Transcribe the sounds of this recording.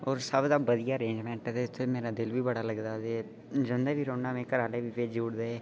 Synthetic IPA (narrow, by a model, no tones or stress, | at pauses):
ɔːɾsəbd̪aːbəd̪ijaːəɾẽːɲd͡ʒmɛ̃ːɳʈɛt̪eɪt̪ʰːeːmeːɾaːd̪ɪlʋiːbəɽaːləɡd̪aːd̪e | d͡ʒənd̪eːʋiːɾõːɳaːmẽːkəɾaːleːʋiːpeːd͡ʒuːɽd̪eeː